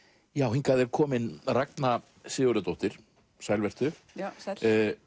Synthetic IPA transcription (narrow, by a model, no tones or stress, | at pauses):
jaːwhiŋkaðɛɾkʰɔːmɪnrakna | sɪːʊɾʏt̪owht̪ɪɾ̥ | sajlvɛr̥t̪ʏ